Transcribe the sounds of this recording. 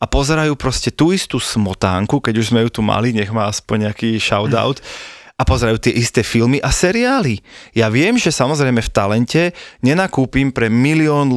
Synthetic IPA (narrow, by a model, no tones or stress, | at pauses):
apɔzɛɾajuːpɾɔscɛt̪uːist̪uːsmɔt̪a̰ːŋkukɛɟuʒzmɛjut̪uma̰liɲɛɣmaːaspɔɲɲɛakiːʃaʊd̪a̰ʊt̪apɔzɛɾajuːt̪ɪɛʔist̪ɛːfilmiʔasɛɾiaːlijaʋɪɛmʒɛsamɔzɾɛjmɛft̪alɛncɛɲɛnakuːpimpɾɛmiliɔːnl